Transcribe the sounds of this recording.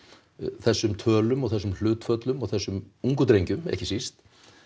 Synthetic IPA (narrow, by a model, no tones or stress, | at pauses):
θɛsːʏmt̪ʰœːlʏmɔɣθɛsːʏml̥ʏːt̪fœt̪lʏmɔɣθɛsːʏmuŋkʏt̪ɾejɲcʏmɛ̰hcɪsist̪